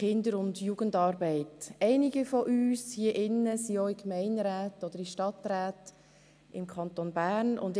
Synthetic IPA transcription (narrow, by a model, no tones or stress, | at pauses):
ɪndəɾʊndjuɡ̥əndɑːɾbɛɪtɛɪniɡifɔʔyːshiəʔɪnːəsioikmɛɪndɾæːtɔd̥̪əɾiʃtɑt̪ɾæːt | ɪmkʰɑnt̪onbæːɾnʊ̰nd